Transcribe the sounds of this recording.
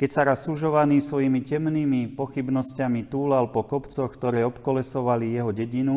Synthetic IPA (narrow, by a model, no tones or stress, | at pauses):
kɛcsaɾasːuʒɔʋaniːsʋɔjimicɛmniːmipɔxibnɔscamit̪uːlalpɔkɔpt͡sɔxkt̪ɔɾɛːɔpkɔlɛsɔʋalijɛɦɔɟɛɟinu